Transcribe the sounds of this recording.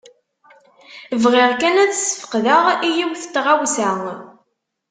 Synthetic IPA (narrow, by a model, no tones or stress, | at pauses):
vʁɪʁkænæt͡sːsːə̥fə̥qðəʁijiwθət̪ːʁawsæ